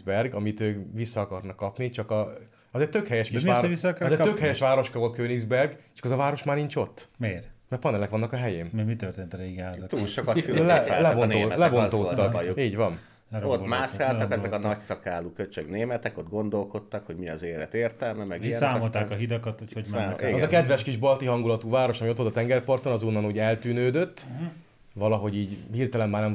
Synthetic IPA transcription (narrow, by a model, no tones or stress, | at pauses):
bɛrɡɒmit̪øːkʋisːɒːkɒrnɒkːɒpnit͡ʃɒkɒ | ɒzeːc̚ʲt̪økhɛjɛʃkiʃaːisːkɔzeːɾtøkhɛjɛʃʋaːɾo̞ʃkɒvo̞lt̪køːniɡzbɛrɡt͡ʃɒ̥kɒzɒvaːɾo̞ʃmaːrniɲt͡ʃo̞t̪ːmeːrmɛpɒnɛlɛkʋɒnːɒkɒɦɛjeːmmɛmit̪ørt̪eːnt̪ɒɾeːɡɛɦaːzɔt̪uːlʃokɒtfyɛllɛbonolɛbonoːt̪ːɒuiːɟvɒn | lɛɾootmaːskaːlɒkɛzɛkɒnɒcsɒkaːluːkøt͡ʃøɡneːmɛt̪ɛkod̪̚ɡo̞nd̪o̞lko̞t̪ːɒkho̞ɟmiɒzeːlɛ̰t̪eːrt̪ɛlmɛmɛɡiɛnsaːmolt̪aːkɒɦid̪ɒkɒt̪hochoɟmɛnɛiɡzɒkɛd̪ʋɛʃkiʒbɒlt̪iɦɒŋɡulɒt̪uːvaːɾo̞ʃɒmio̞t̪ʋolt̪ɒt̪ɛŋɡɛrpɒrt̪o̞nɒzonːɒnuːɟɛlt̪yːnøːd̪ø̞t̪ː | vɒlɒɦo̞ɟiːɟhiːrt̪ɛlɛmbaːrnɛm